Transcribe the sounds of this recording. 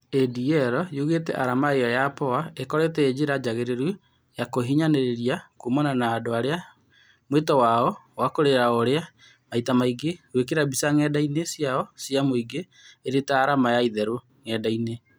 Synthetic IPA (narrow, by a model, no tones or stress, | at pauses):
ediɛɾɔjuɣetɛ̰ʔaɾamaejɔjapɔaekɔɾetɛed͡ʑiɾad͡ʑaɣeɾeɾu | jakoɦiɲaneɾeɾiakumɔnanaːdoaɾea | mwetɔwaɔwakoɾeɾaoɾea | maitamaiɡewek̬eɾabisaŋɛdainesjaɔsjamoiɡeː | ɾetaːɾamajaiðɛɾo | ŋɛdaine